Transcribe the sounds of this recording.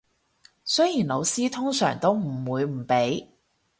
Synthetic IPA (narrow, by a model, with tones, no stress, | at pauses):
sɵ˥jiː˨˩nlo˨˧wsiː˥t̪ʰʊ˥ŋsœ̰ː˨˩ŋt̪o˥wm̩˨˩wuː˨˧jm̩˨˩pe˨˥j